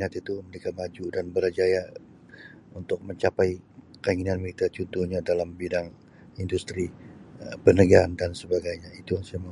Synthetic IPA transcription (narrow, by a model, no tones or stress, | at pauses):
nat̪it̪uməlikamad͡ʒudanbəɾad͡ʒaja | unt̪ʊk̚məɲt͡ʃapajkaiŋinanmiit̪at͡ʃunt̪uhɲadalambidaŋ | indust̪ɾi | pənəɡaandansəbaɡajɲait̪ujaŋsajama